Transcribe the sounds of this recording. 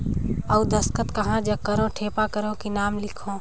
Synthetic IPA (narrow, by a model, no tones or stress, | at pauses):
ɐud̪ɐskət̪kɐɦãd͡ʒɐkːəɾõʈʰeːpakəɾõkinaːmlɪkʰõː